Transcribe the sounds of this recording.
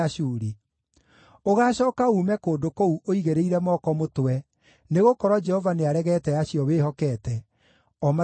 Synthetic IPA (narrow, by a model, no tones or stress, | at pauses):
aʃuːɾi | oɣaːɕɔːkauːmɛkoːdokouʔoiɣeɾeiɾɛmɔkɔmotwɛ | neɣokɔɾɔd͡ʒɛhɔvaneaɾɛɣɛtɛaɕijɔweːɦɔkɛːtɛ | ɔma